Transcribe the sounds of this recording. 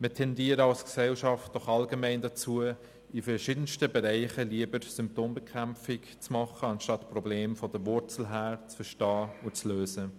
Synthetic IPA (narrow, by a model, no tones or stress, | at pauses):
mətʰɛndiːəɾəɑlsksɛlʃɑft̚d̥ɔχɑlɡəmɛɪndat͡suə | ifɛɾʃidənstəbeɾaɪχəliəbəɾsʏmp̚toːmbəkʰʁæmfɪkt͡smɑχəɑnʃtɑtprɔbleːmfɔd̥əvʊɾt͡sl̩ɦæːɾt͡sfəɾʃtɑːʊt͡sløːzə